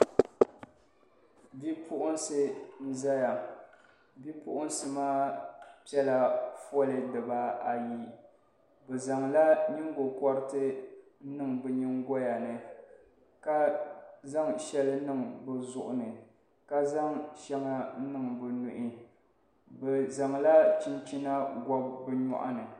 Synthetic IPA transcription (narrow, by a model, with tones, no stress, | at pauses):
bi˦pʰʊ˦ʔʊ˦n˦sɨ˦n̩˦za˦ja˨ | bi˦pʊ˦ʔʊ˦n˦sɨ˦maː˦pɛ˦la˨fɔ˦lɨ˨dɨ˨ba˦a˨ji˦ | bɛ˨za˨ŋla˦ɲi˦ŋ˦ɡo˨kɔ˦ɾɨ˦tɨ˦ | nɨ˦ŋbɨ˨ɲi˦ŋɡɔ˦ja˨nɨ˨ | ka˦za˦ŋʃɛ˦lɨ˦nɨ˦ŋbɨ˨zʊ˦ʔʊ˨nɨ˨ | ka˦za˦ŋʃɛ˦ŋa˦nɨ˦ŋbɨ˨nu˨ʔɪ˦ | bɛ˨za˨ŋla˦t͡ʃi˦n˦t͡ʃi˦na˦ɡɔ˦bbɨ˦ɲɔ̰˦ʔa̰˦nɨ˨